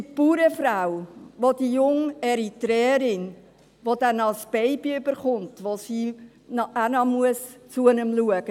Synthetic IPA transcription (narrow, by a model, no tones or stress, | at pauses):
ipuːɾəfɾawʋodijʊŋɛɾitɾɛːɾɪn | ʋodɛnɑlsb̥ɛɪbiʏbəɾχʊntʋosiː | nɑænɑmuəst͡suɛnəmluəɡ̥ə